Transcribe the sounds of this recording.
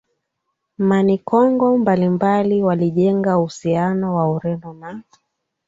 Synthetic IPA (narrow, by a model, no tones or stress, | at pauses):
manikɔŋɡɔmbalimbaliwaliʄɛŋɡauhusianɔwauɾɛnɔna